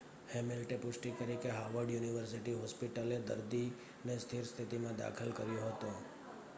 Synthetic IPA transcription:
hemɪlʈepʊʃʈik̪əɾikeɦaʋəɾɖjuniʋəɾs̬iʈiɦɔspiʈəled̪ə̰ɾd̪i | nest̪ʰiɾst̪ʰit̪imãd̪a̰kʰəlkəɾjõɦət̪õ

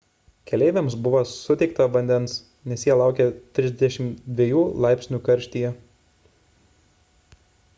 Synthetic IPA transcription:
kʲɛlʲɛɪʋʲɛmsbʊʋosʊt̪ʲɛɪkt̪ɐʋɐnʲd̪ʲɛns | nʲɛsjiɛlˠɑˑʊkʲɛt̪ʲɾʲɪzʲd̪ʲɛʃʲɪmd̪ʲʋʲiɛjuːlˠɑˑɪpʲsʲnʲuːkɐɾʲʃʲt̪ʲijɛ

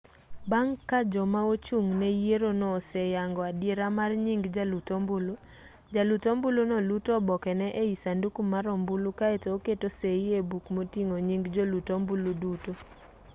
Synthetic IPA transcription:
baŋkad͡ʒɔmaot͡ʃuŋnɛjeɾonɔːsɛjaŋɡɔadjeɾamarɲiŋɡd͡ʒalutombulo | d͡ʒalutombulonɔlutɔbɔkɛnɛʔeisandukumaɾɔmbulukaetooketoseiebukmotiŋoɲiŋɡd͡ʒolutombuluduto

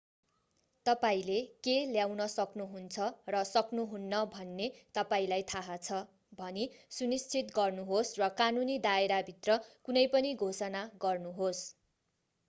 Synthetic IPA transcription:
t̪ʌpaĩlekeljawnʌsʌknuɦunt͡sʰʌrʌsʌknuɦunːʌbʱʌnːet̪ʌpaĩlajt̪ʰaɦat͡sʰʌ | bʱʌnisunist͡sʰit̪ɡʌrnuɦosrʌkanunid̪aeɾabʱit̪rʌkunʌjpʌniɡʱosʌnaɡʌrnuɦos

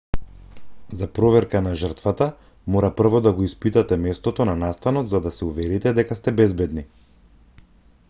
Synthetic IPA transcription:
zapɾɔvɛɾkanaʒərt̪vat̪a | moɾapr̩vɔd̪aɡɔispit̪at̪ɛmɛst̪ɔt̪ɔnanast̪anɔt̪zad̪asɛuvɛɾit̪ɛd̪ɛkast̪ɛbɛzbɛd̪ni

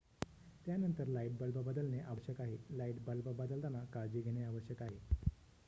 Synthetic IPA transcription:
t̪janənt̪əɾlaiʈ̚bəlbəbəd̪əlneʔaʋəɕjəkaɦelaiʈbəlbəbəd̪əlt̪anakad͡ʑiːɡʱeɽ̃eaʋəɕjəkaɦe

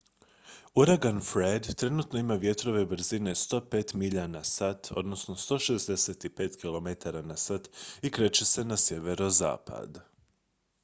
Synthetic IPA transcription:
uɾaɡanfɾed̪t̪ɾe̞nut̪no̞imaʋje̞t̪ɾo̞ʋe̞bɾ̩zine̞st̪o̞ːpe̞ːt̪miʎanasat̪ʰo̞̰d̪nosno̞st̪o̞ʃe̞zd̪eset̪ipe̞ːt̪kilˠo̞met̪aɾanasat̪ikɾe̞t͡ɕe̞se̞nasje̞ʋe̞ɾo̞za̰ːpʰa̰d̪

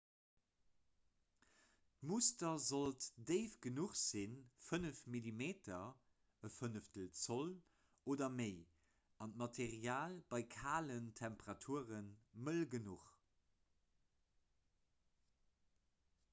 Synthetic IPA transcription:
tmustɐzoltdeɪfɡ̥ənuχz̥infənəfmilimeːtʰɐ | əfənəftəlt͡sol | oːdɐmeɪ | ɑntmɑtʰeʁiaːlbɑɪkʰaːləntʰæmpəʁɑtʰuəʁənməlɡənuχ

